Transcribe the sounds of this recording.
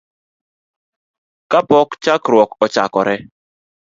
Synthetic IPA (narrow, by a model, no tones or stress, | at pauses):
kapɔkt͡ʃakɾwɔkɔt͡ʃa̰kɔɾɛ